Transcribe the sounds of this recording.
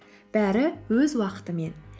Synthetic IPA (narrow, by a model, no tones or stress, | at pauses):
b̥æɾɪwɵzwɑqə̥t̪əme̞n